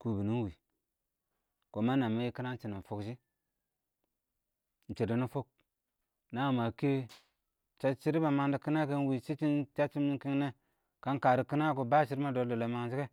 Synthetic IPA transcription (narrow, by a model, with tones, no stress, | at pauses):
ku˨bi˨ni˦n˦wi˨ | ko˨ma˦na˨mːa˦ji˦ki˦na˦n˦t͡ʃi˨ni˨fo˦kʃi˦ | n̩˨t͡ʃi˨di˨˦ni˦fo˦k̚ | na˦˨ma˨ke˦ | t͡ʃa˦t͡ʃi˦ɾi˦ba˨ma˨ŋdi˨ki˦na˦ke˦n˦wi˨t͡ʃi˦t͡ʃi˦nt͡ʃa˦t͡ʃi˦mni˦ŋ˦ki˦ŋne˦ | ka˦nka˨ɾi˨ki˦na˦ku˨ba˦˨t͡ʃi˦ɾma˦do˨˦do˨lo˨ma˨ŋd͡ʒi˦ke˦